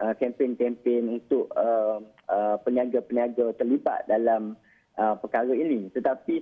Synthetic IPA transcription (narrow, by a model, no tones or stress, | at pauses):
əkɛmpenkɛmpenunt̪ʊʔəm | əpənĩaɡapəniaɡat̪ərliba̰t̪̚dalam | ʔəpəkaɾəinĩt̪ət̪api